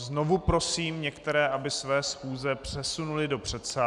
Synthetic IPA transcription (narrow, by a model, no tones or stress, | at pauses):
zno̞vupɾo̞siːmɲɛkt̪ɛɾɛːʔabɪsvɛːsxuːzɛpr̥ɛsunulɪdo̞pr̝̥ɛt̪sa